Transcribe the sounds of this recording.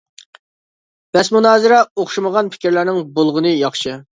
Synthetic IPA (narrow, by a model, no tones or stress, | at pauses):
b̥ɛsmunɑːzɪɾɛoχʃuməʁɑnpʰɪ̥kʲɪɾlæɾnɪŋbolˠʁʊnɨjɑχʃɨ